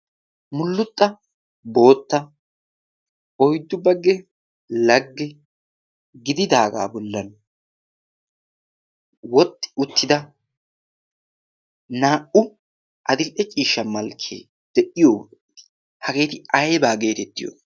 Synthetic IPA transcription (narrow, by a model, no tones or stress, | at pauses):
mʊlːʊt̪ʼːɐ | bo̞ːt̪ːɐ | ɔjd̪ːʊbɐɡːɛ | lɐɡːɛ | ɡɪd̪ɪd̪aːɡa̰ːbɔlːɐn | wɔt̪ʼːɪ̥ʊt̪ʰːɪd̪ɐ | naːʔʊ | ʔɐd̪ɪlʔɛt͡ʃʼiːʃːɐmɐlkʰḛː | d̪̥ɛʔɪjoːt̪ː | hɐɡe̞ːt̪ɪɐjbaːɡe̞ːt̪ɛt̪ːɪjo̰